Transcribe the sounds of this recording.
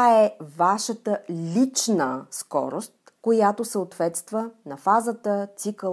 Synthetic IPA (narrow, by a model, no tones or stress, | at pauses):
aɛvaʃət̪əlʲit͡ʃnəskɔ̰ɾost̪ | kojat̪osəot̪vɛt̪st̪vənɐfazət̪ət̪sikə